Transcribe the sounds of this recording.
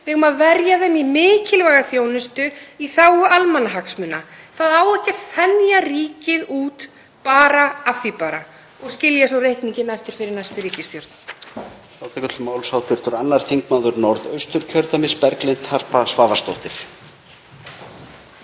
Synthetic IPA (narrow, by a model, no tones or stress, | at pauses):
vɪɣʏmaðvɛɾjaðɛnːimɪːcɪlvajɣaθjoːwnɪst̪ʏiθawʏʔalmanːaɦaksmʏnːaθaðaːwɛhcaθɛnjariːcɪðuːt̪ | paːɾaafipaɾa | ɔɣscɪljasɔwrejhk̪niɲcɪnaɛft̪ɪɾ̥fɪɾɪɾnajst̪ʏɾiːcɪst̪jɔɾt̪n | saːwt̪akʏt̪lmaːwlsaːwt̪ʰɪɾ̥t̪ʏɾanːaɾ̥θiŋkmawðʏɾnɔɾðœɥst̪ʏɾ̥cʰœɾt̪amɪspɛɾklejnt̪har̥pasvaːvast̪owht̪ɪɾ̥